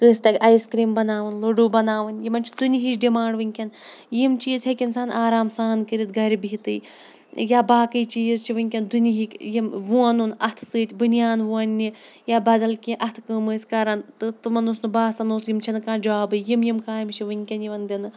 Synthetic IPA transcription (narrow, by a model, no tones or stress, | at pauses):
kɨːsʲt̪ɐkʲɐjskɾiːmbɐnaːʋɐnloɖuːbɐnaːʋɐnjimɐnt͡ʃʰi̥d̪unʲiɦit͡ʃɖimãːɳɖʋɨŋʲkʲɐnjimt͡ʃiːzɦɐkʲinsaːnʔaːɾaːmsaːnkɨɾit̪̚ɡɐɾibit̪ɨ̰ː | jaːbaːkɨjt͡ʃiːzt͡ʃʰiʋɨŋʲkʲɐnd̪uniɦikʲjimʋuɐnunɐt̪ʰsɨːt̪ʲbunjaːnʋuɐnʲːijaːbɐd̪ɐlkʲĩʔɐt̪ʰkɨːmɨːsʲkɐɾɐnt̪ɨt̪ɨmɐnosnɨbaːsɐnoːsjimt͡ʃʰɐnɨkaːd͡ʒaːbɨjimjimkaːjmt͡ʃʰiʋɨŋʲkʲɐnjiʋɐnd̪inɨ